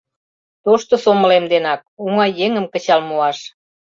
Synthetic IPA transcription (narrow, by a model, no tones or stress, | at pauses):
t̪oʃt̪osoməlemd̪enɑk̚uŋɑjːeŋəmkə̆t͡ɕɑlmuɑʃ